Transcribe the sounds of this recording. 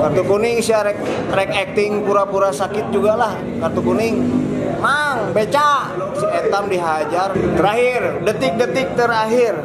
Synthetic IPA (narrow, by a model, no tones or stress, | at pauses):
kart̪ukunɪŋsiaɾɛk̚ | ɾɛkɛk̚t̪ɪŋpuɾapuɾasakɪt̪̚d͡ʒuɡalah | kart̪ukunɪŋmaŋbet͡ʃalɔksiet̪amdiɦad͡ʒart̪əɾaɦɪrdət̪ɪk̚dət̪ɪk̚t̪əɾaɦɪr